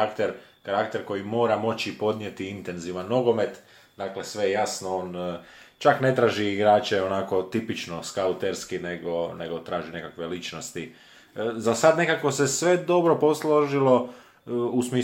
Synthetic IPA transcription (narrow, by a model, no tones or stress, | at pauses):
akt̪eɾkaɾakt̪e̞ɾko̞jimo̞ːɾamo̞t͡ɕipo̞d̪nje̞t̪iint̪e̞nziʋanːo̞ɡo̞me̞t̪ | d̪aːkle̞sʋe̞jejasnooːnt͡ʃakne̞t̪ɾaːʒiːɡɾaːt͡ʃeo̞nako̞t̪ipit͡ʃno̞skaut̪eɾskineɡo̞neɡo̞t̪ɾaːʒine̞kakʋe̞lit͡ʃno̞st̪i | zasad̪ne̞kako̞se̞sʋe̞d̪o̞bɾo̞po̞sloʒilo̞ | usmiː